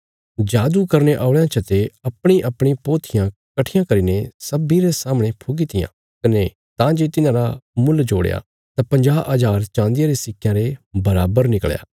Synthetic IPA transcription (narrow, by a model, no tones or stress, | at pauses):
d͡ʒaːd̪ukɐɾneʔaːʊɭejãt͡ʃʰɐt̪eɐpɽ̃iʔɐpɽ̃ipoːt̪ʰɪjãkɐʈʰɪjãkɐɾinesɐbiɾesaːməɽ̃epʰoɡit̪ɪjã̰ | kɐne | t̪ãd͡ʒeːt̪ɪnãɾamʊld͡ʒoːɽja̰ | t̪apɐ̃ɲd͡ʒaːʔad͡ʒaːɾt͡ʃãːnd̪ɪjaɾesɪkʰjãɾebɐɾa̰ːbəɾnɪkɭja̰ː